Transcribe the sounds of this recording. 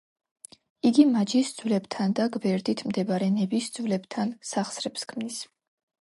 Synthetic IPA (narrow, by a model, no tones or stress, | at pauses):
iɡimad͡ʒisd̪zulɛbt̪ʰand̪aɡbɛɾd̪it̪ʰmd̪ɛbaɾɛnɛbisd̪zlɛbt̪ʰansaχsɾɛbskʰmnis